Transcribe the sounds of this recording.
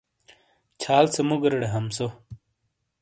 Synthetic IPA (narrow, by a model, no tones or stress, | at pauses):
t͡ɕʰaːlt͡sʰemuɡɐɾɐɽeɦɐmso